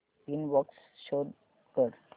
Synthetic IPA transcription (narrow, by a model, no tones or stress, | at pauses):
inʋəksʃod | kəɾ